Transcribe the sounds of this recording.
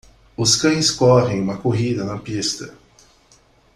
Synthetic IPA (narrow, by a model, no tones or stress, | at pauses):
ʊskɐ̃j̃skɔʁẽj̃ũmɐkoɦid̪ɐnɐpist̪ɐ